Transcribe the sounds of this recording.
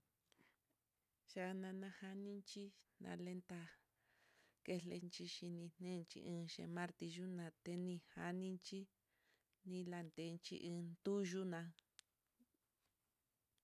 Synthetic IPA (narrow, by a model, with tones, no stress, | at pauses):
ʃa˧nã˧nã˧ha˧nĩ˦nt͡ʃi˦nã̰˧le˦nt̪a˧ | ke˦˧le˧nt͡ʃi˧ʃi˧nĩ˧n̥nẽː˦˧nt͡ʃḭ˧ʔɨ̃ː˧ʃḛ̃˧mã˦ɾt̪i˧ʒu˦nã˧t̪e˧nĩ˧ha˧nĩ˦nt͡ʃi˦ | nĩ˧la˧nd̪e˧˦˧nt͡ʃḭ˦˧ʔɨ̃ː˧nd̪u˦ʒu˦nã˧